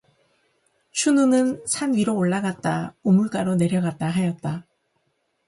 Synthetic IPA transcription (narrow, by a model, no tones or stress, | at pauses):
ɕʰununɯnsʰanɥiɾoːɭːaɡat̚t͈aomuɭk͈aɾone̞ɾjʌɡat̚t͈aɦajʌt̚t͈a